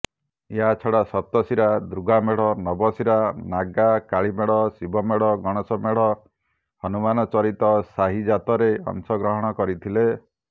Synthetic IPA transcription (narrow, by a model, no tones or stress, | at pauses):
eɦat͡ʃʰɔɽasɔp̚t̪ɔsiɾad̪ɾuɡʱameɽ̤ɔnɔbɔsiɾanaɡakaɭimeɽ̤ɔsibʱɔmeɽɔɡɔɽ̃ɔsɔmeɽ̤ɔ | hɔnumanɔt͡ʃɔɾit̪ɔsaɦid͡ʒat̪ɔɾeɔ̰ŋsɔɡɾɔɦɔɽ̃ɔkɔɾit̪ʰile